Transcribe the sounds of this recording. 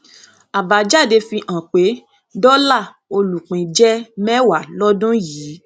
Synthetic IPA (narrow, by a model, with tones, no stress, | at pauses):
a˨ba˨˦d͡ʒa˦˨de˧fĩ˧ʔã˨k͡pe˨˦ | dɔ˦la˦˨ | o˧lu˨k͡pĩ˨d͡ʒɛ˦mɛ˦wa˨lɔ˦dũ˦jiː˨˦